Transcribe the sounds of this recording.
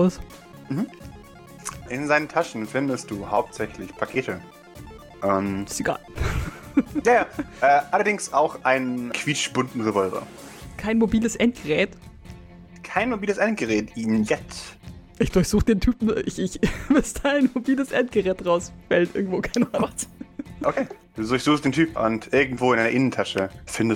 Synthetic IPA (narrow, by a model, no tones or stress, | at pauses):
ʊs | m̩hm̩ | ʔɪnzaɪnəntʰaʃn̩fɪndəst̚d̥uːhaʊp̚tz̥ɛçlɪçpʰakʰeːtə | ʔɛmɪsteɡ̥a̰ːl | jaːʔɛʔalɐdɪŋsaʊxʔaɪnənkʰv̥iːt͡ʃb̥ʊntn̩ʁevɔlvɐ̰ɐ | kʰaɪnmobiːləsʔɛnt̚ɡ̥əʁɛːt | kʰaɪnmobiːləsʔɛnt̚ɡ̥əʁɛːtiːnjɛt͡s | ʔɪçd̥ʊɐçz̥uːxəd̥eːntʰyːpm̩ʔɪçɪçvɪstaɪnmobiːləsʔɛntɡ̥əʁɛːtʁaʊsfɛltʔɪɐɡŋ̩tv̥oːkʰaɪnaasʔokʰeːd̥uːdʊɐçz̥uːxstd̥eːntʰyːpʔʊ̰ntʔɪɐɡŋ̩tv̥oːɪnʔaɪɐʔɪnən̩tʰaʃəfɪndəs